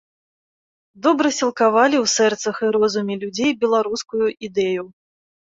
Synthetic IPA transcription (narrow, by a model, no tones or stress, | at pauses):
d̪ɔbɾɐsʲilˠkavalʲiwsɛrt̪sɐxɨɾɔzumʲilʲud͡zʲejbʲɛlˠaɾuskujuʔid̪ɛju